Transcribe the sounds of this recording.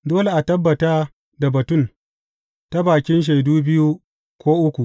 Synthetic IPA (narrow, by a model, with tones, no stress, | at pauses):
doː˦le˨ʔa˨tɐ˦bːɐ˨taː˦ | da˨bɐ˨tʊ˦˨n | ta˦baː˨kʲɪ˦nʃ̬a˨jduː˦bɪ˦ju˦ | kʷoː˦ʔʊ˦kʷu˨ʔ